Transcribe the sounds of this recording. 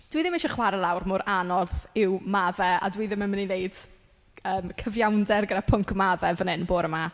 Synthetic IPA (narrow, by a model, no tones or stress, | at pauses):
d̥wiðɪmɪʃɔχwaɾɛlˠawrmʊɾʔanɔrθɪwmavɛa̰dwiːðɪmənmənineɨd̥ | əːmkʰəvjawndɛrɡədapʰʊŋkʰmavɛvənɪnboːɾəma